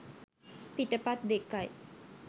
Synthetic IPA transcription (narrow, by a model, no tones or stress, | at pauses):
pit̪ːəpat̪̚d̪ekːaj